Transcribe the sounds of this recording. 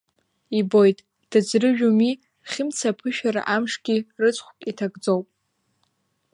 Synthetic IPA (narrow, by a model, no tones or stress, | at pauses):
ibo̞jtʼ | d̥ɨd͡zrɨʒᶣumi | χʲɪmt͡sʰapʰɨʃᶣaɾa̰ʔamʂɡʲirɨt͡sʷʼχʷpʼitʰaɡd͡zowpʼ